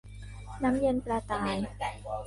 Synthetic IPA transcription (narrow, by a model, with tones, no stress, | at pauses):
na˦˥mjɤ˧npɾaː˧t̪aː˨˩j